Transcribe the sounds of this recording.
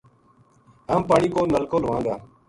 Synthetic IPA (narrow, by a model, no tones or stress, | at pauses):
aːmpaːɳiːkoːnəlkoːləʋãːɡaː